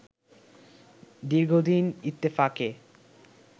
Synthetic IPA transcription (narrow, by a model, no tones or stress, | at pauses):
d̪iɾɡʱod̪init̪ːefake